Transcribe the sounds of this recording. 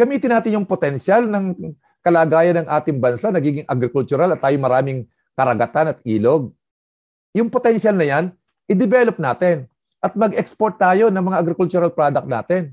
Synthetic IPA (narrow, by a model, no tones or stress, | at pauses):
ɡ̥ɐmiːt̪ɪnːaːt̪ɪnjʊŋpot̪ɛnʃalnɐŋ | kɐlaːɡaːjɐnɐŋʔaːt̪ɪŋbɐnsanɐɡiːɡɪŋʔɐɡɾɪkʊlt͡ʃʊɾalɐt̪ːaːjoŋmɐɾaːmɪŋ | kɐɾɐɡɐt̪anɐt̪̚ʔiːlo̞ɡ̚ | jʊŋpot̪ɛnʃalnɐjan | ʔɪd̪ɛvɛlop̚naːt̪ɛn | ʔɐt̪̚mɐɡʔɛkspoɹt̪̚ːaːjo̞nɐŋmɐŋaʔɐɡɾɪkʊlt͡ʃuɾɐlpɾaːd̪ɐk̚t̪̚na̰ːt̪ɛn